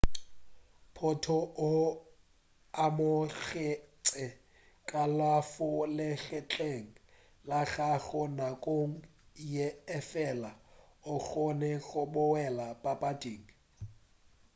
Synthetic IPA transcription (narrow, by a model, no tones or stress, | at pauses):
pʰʊtʰɔʊ | amʊɣɪt͡sʼɪ | kʼalafʊlɪɬɛt͡ɬʼeŋ̩ | laɣaɣɔnakʼoŋ̩jɛːfɛlaʊk͡xɔnɛɣʊbʊwɛlapʼapʼadʼeːŋ̩